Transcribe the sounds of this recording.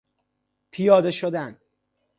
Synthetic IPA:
pʰijɒːd̪e̞ʃod̪æn

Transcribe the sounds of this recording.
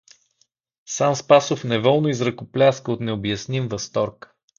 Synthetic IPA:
sanspasofnɛvɔlˠnoizɾɐkʊplʲaskəot̪nɛobjɐsnimvɐst̪ɔɾk

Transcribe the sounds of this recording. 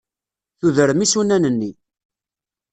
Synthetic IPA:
θuðəɾəmisunænənːi

